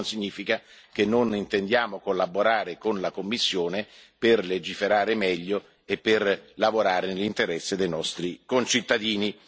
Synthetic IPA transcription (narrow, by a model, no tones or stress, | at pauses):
nsiɲːiːfikak̟enːonint̪end̪jaːmokolːaboɾaːɾekonlakomːisːjoːneperled͡ʒifeɾaːɾemɛʎːo | epːerlavoɾaːɾenelːint̪eɾɛsːed̪ejnɔst̪ɾikont͡ʃit̪ːad̪iːni